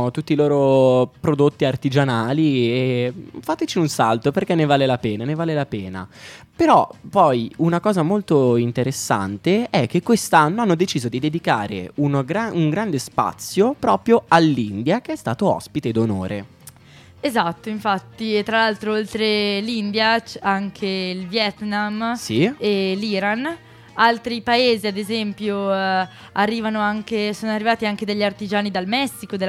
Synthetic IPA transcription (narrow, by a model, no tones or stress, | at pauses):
t̪ut̪ːiloːɾopɾod̪ot̪ːiart̪id͡ʒanaːliefaːt̪et͡ʃiunsalt̪operkenːevaːlelapɛːnanevaːlelapɛːna̰peɾɔpːɔjunakɔːzamolt̪oint̪eɾesːa̰nt̪eɛk̟ːekːwest̪anːoanːod̪et͡ʃiːzod̪id̪ed̪ikaːɾḛunɡɾauŋɡɾand̪espa̰t̪sːjopɾɔːpɾjoalːind̪jak̟eɛst̪a̰ːt̪oɔ̰spit̪ed̪ono̰ːɾʔḛ | ezat̪ːoiɱfat̪ːit̪ːɾalalt̪ɾoolt̪ɾelind̪jat͡ʃaŋk̟ʰeilvjɛt̪namsieliːɾan | alt̪ɾipaeːziad̪ezɛmpjo | arːiːvanoaŋkesoːnoarːivaːt̪iaŋked̪eʎːart̪id͡ʒaːnid̪almɛsːikod̪e